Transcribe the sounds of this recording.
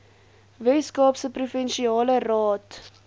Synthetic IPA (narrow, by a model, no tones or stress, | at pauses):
vɛskɑːpsəprufɛnʃiɑːlərɑːt